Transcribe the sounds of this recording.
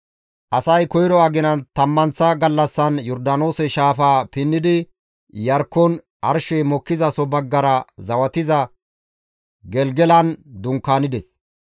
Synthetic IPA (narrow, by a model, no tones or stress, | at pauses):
ʔɐsɐjkɔjɾɔɐɡɪnɐnt̪ɐmːɐnsɐɡɐlːɐsːɐnjɔɾd̪ɐno̞ːsɛʃaːfaːpɪnːɪd̪ɪ | jɐɾkːɔn | ʔɐɾʃɛjmɔkːɪzɐsɔbɐɡːɐɾɐzɐwɐt̪ɪzɐ | ɡɛlɡɛlɐnd̪ʊŋkːaːnɪd̪ɛs